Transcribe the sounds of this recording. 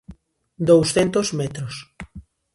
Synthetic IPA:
d̪owsθent̪ozmɛt̪ɾos

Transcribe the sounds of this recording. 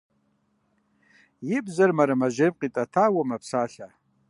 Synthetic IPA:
jɪbzarmaɾamaʒemqʼitʼatʰawamapʰsaɬa

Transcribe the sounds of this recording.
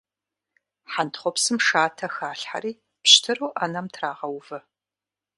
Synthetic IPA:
ħantʰχʷɔpsɨmʂaːtʰɐxaːɬħa̰ɾiː | pɕtʰɨruːʔanɐmtʰraːʁɐwvɐ

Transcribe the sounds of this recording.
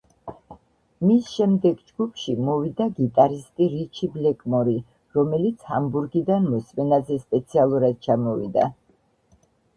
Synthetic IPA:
misʃɛmd̪ɛɡd͡ʒɡupʰʃimɔvid̪aɡit̪ʼaɾist̪ʼiɾit͡ʃʰiblɛkʼmɔɾi | ɾɔmɛlit̪sʰhambuɾɡid̪anmɔsmɛnazɛspʼɛt̪sʰialˠuɾad̪̥̚t͡ʃʰamɔvḭd̪a

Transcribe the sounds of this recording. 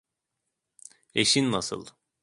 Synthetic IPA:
eʃinːasɯ̰lˠ

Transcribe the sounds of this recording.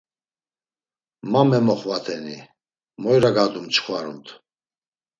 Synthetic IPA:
mamɛmɔχvat̪ʰɛni | mɔjɾaɡad̪umt͡ʃχwaɾṵnt̪ʰ

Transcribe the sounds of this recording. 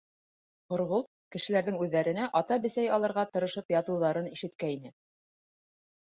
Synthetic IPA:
χŏɾʁolˠt̪̚kɘ̆ʃɘ̆læɾðɘŋʉðːæɾɘ̆næʔɑt̪ɑbɘ̆sæjɑlˠɤ̆ɾʁɑt̪ɤ̆ɾɤ̆ʃɤpjɑt̪ɤ̆wðɑɾɤniʃɘ̆t̪kæinɘ

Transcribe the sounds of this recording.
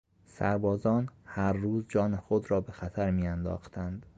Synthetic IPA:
sæɾbɒːzɒːnhæɾːuːzd͡ʒɒːnexod̪ɾɒːbe̞xæt̪ʰæɾmiːjænd̪ɒ̰ːxt̪ʰænd̪

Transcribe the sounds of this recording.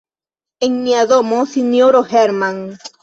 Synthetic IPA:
eŋniaðomosinjoɾoheɾmaŋ

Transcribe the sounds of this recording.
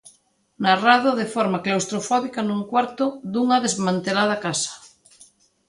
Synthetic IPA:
narað̞oðefɔɾmaklawst̪ɾofɔβikanũŋkwaɾt̪oðuŋaðezmãnt̪elað̞akasḁ

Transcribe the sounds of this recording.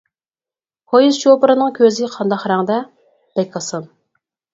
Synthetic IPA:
hojizʃopɨɾɨnɨŋkʲʰøzɪqʰɑnd̪ɑχɾæŋd̪ɛ | b̥ɛkʰɑsɑn

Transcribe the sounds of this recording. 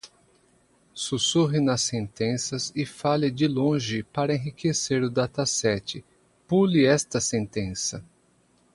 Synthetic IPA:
susuɦɪnɐsẽnt̪ẽsɐzɪfalɪd͡ʒɪlõʒɪpaɾɐẽɦikʰeseɾʊd̪at̪asɛt͡ʃɪ | pulɪɛst̪ɐsẽnt̪ẽsɐ

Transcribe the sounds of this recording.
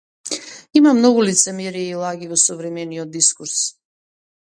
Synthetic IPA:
imamnɔɡulit̪sɛmɛɾiailˠaɡivɔsɔvɾɛmɛniɔd̪̚ːiskuɾs

